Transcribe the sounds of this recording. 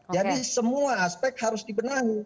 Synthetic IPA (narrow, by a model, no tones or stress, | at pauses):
d͡ʒadisəmuaːspɛk̚t̪̚haɾʊsdibənaɦu